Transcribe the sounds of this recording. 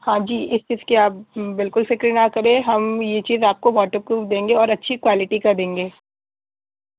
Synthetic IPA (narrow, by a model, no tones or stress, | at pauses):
hãːd͡ʒiːʔɪst͡ʃiːzkiaːp̚bɪlkʊlsɪkɾɪnakɐɾẽɦɐmjet͡ʃiːzaːp̚koʋɔːʈəp̚kud̪ẽːŋɡeɔːɾɐtːʃʰikwaːlɪʈikɐd̪ẽːŋɡeː